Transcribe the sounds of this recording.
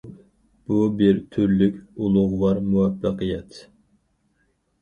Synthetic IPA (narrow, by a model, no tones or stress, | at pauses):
b̥ubɪɾt̪ʰyɾlykʲulˠʊʁwɑɾmuwɛpːəqʰɨjɛt̪ʰ